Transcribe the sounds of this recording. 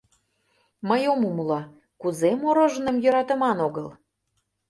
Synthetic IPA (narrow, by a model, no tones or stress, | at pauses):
məjomumulɑ | kuzemoɾoʒənə̆mjøɾɑt̪ə̆mɑnoɣəl